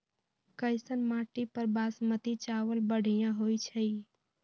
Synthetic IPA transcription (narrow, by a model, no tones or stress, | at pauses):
kəɪsənmãʈipəɾbasmət̪it͡ʃaʋəlbəɽ̤ʱijãɦojt͡ʃʰəj